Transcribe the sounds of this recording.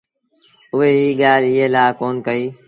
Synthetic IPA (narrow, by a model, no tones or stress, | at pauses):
ʊɦeɦiːɠaːlɪɦeːlaːkoːnkəiː